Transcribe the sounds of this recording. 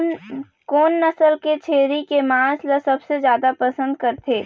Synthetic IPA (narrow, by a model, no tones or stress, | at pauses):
koːnːɐsəlket͡ʃʰeːɾikemãːsləsɐbsezjaːd̪apɐsə̃nd̪̚kɐɾt̪ʰeː